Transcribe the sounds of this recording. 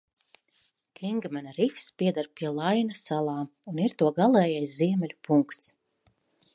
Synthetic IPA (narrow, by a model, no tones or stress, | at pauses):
kʲʰiŋɡmɛnaɾifspʲiɛd̪aɾpʲiɛlˠajnasalˠaːmuniɾt̪uɔɡalˠɛːjajsziɛmɛlʲupuŋkt̪s